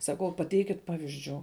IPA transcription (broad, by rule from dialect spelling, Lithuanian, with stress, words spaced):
sɐˈkɐʊ pɐˈtʲɛɪkʲɪt ˈpɑːʋʲɪzʲd͡ʒʲuː